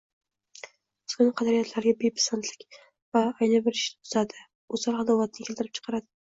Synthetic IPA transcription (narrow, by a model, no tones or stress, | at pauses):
skʲʊnɪqʰɑd̪aɾijat̪ʰlaɾɡʲabepʰḁsant̪ʰlɪkʲ | vaːjnabɪɾɪʃnɪt̪ʰʊzad̪ɪ | ozɑɾɑd̪awlat̪̚nɪkʲelt̪ɪɾɪp̚t͡ʃʰɨ̥qʰɑɾad̪ɪ